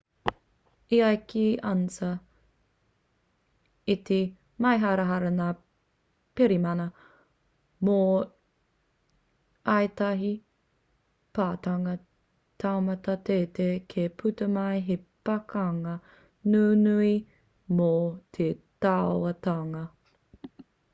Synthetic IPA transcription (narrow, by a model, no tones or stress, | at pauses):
iajkʰiʔɐnt͡sɐ | it̪e | mɐjɦaɾɐɦɐɾɐnaː | peɾimɐnɐ | mo | ʔɐjtɐɦi | paːtɐŋɐ | tʰawmɐtɐtetekʰepʰutɐmɐjɦepɐkɐŋɐ | nuːnui | mot̪ʰetaoɐtaŋɐ